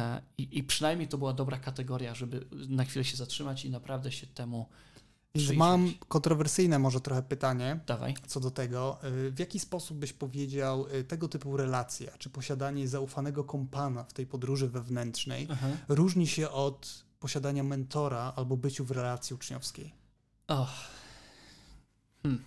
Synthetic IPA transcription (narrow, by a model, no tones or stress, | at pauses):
iipʂɨnajmʲɲejt̪ɔbɘwad̪ɔbɾakat̪ɛɡɔɾjaʐɛbɘnaxfʲilɛɕɛzatʂɘmat͡ɕinapɾavd̪ɛɕɛt̪ɛmu | vʲjɛnsmamkɔnt̪ɾɔvɛɾsɘjnɛmɔʐɛt̪ɾɔxɛpɘt̪aɲɛd̪ava̰jt̪sɔd̪ɔt̪ɛɡɔvʲjakʲispɔsub̚ːɘɕpɔvʲjed͡ʑawt̪ɛɡɔt̪ɘpuɾɛlat̪sʲja̰t͡ʂɘpɔɕad̪aɲɛzaufanɛɡɔkɔmpanaft̪ɛjpɔd̪ɾuʐɘvɛvnɛntʂnɛ̰jɾuʐɲiɕɛʔɔt̪pɔɕad̪aɲamɛnt̪ɔɾaalbɔbɘt͡ɕuvɾɛlat̪sʲjiut͡ʂɲɔ̰fskʲej | ax | mm̩